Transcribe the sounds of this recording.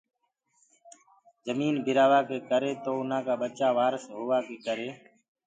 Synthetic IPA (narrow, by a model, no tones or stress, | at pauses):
zəmiːnbʱɪɾaːʋaːkeːkəɾeːt̪oːʊn̤ãːkaːɓət͡ʃaːʋaːɾsɦoːʋaːkeːkəɾeː